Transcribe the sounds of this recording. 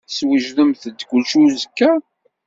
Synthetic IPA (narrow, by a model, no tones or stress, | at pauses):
swiʒðəmθəd̪kʷʊlʃuzəkːæ